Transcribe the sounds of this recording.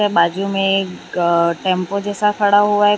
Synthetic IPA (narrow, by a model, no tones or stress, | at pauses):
ebaːd͡ʒumẽ | ʈẽːmpod͡ʒɛːsakʰɐɽaɦuaɦɛ